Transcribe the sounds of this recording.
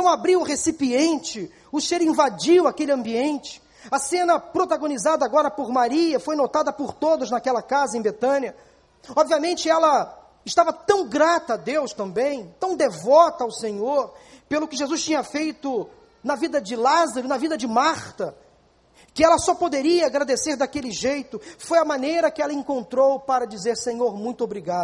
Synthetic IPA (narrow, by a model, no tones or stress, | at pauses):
t̪ɐ̃w̃abɾiwʊʁesipiẽnt͡ʃɪ | ʊseɾĩvad͡ʒiwakelɪɐ̃mbiẽnt͡ʃɪ̥ | ɐsẽnɐpɾot̪aɡõnizad̪ɐaːɡɔɾɐpʊɾmaɾiɐfojnot̪ad̪ɐpʊɾt̪od̪ʊznakɛlɐkazɐẽbet̪ɐ̃niɐ | ɔbviamẽnt͡ʃɪɛlɐ | ɪʃt̪avɐt̪ɐ̃w̃ɡɾat̪ɐːd̪ewʃt̪ɐ̃mbẽj̃t̪ɐ̃w̃d̪evɔt̪ɐːwsẽɲoɾpelʊkɪʒezuʃt͡ʃĩɲɐfejt̪ʊ | nɐvid̪ɐd͡ʒɪlazaɾʊnɐvid̪ɐd͡ʒɪmaɾt̪ɐ | kɪɛlɐsɔpod̪eɾiɐaɡɾad̪eseɾd̪akelɪʒejt̪ʊfojɐmãnejɾɐkɪɛlɐẽkõnt̪ɾowpaɾɐd͡ʒizeɾsẽɲoɾmũj̃t̪ʊobɾiɡad̪ʊ